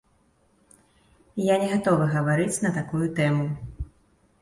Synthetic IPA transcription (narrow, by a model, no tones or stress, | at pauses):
janʲɛɣat̪ɔvɨɣɐvaɾɨt͡sʲnɐt̪akujut̪ɛmu